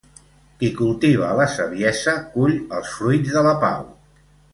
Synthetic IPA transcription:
kikulˠt̪iβ̞ələsəβjɛzəkuʎəlˠsfɾujd͡zðələpa̰w

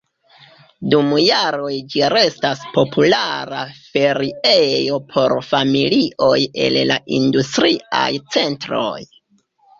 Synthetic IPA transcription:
dumjaɾo̞jd͡ʒiɾe̞staspo̞pʰulaɾafe̞ɾiejo̞pʰo̞ɾfamiliʔo̞je̞̰llaʔḭndustɾia̰jt͡se̞ntɾo̞̰j

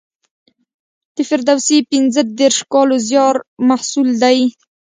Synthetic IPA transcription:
t̪əfɪɾd̪awsepɪnzəd̪eɾʃkɑlozjɑɾmahsuld̪aj

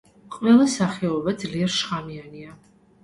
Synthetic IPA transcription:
qʼvɛlˠasaχɛɔvad̪zliɛɾʃʁamiania

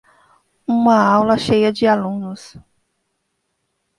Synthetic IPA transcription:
ũmɐawlɐʃejɐd͡ʒɪalũnʊs

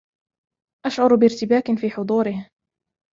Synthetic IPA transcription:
ʔaʃʕʊɾbɪɾt̪ɪbaːkɪfiːħʊd̪ˤuːɾɪh

